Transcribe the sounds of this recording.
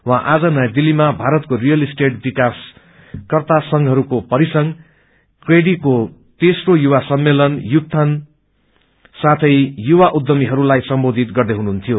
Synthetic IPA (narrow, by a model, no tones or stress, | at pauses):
wãʔad͡zʌnʌjad̪ilːimabʱaɾʌt̪̚korijʌlisʈeʈbikas | kʌrt̪asʌŋɦʌɾukopʌɾisʌŋ | kreɽiko | t̪esrojuwasʌmːelʌnjuk̚t̪ʰʌn | sat̪ʰʌjjuwaʔud̪ːʌmiɦʌɾulajsʌmbod̪ʱit̪ɡʌrd̪eɦununt̪ʰijo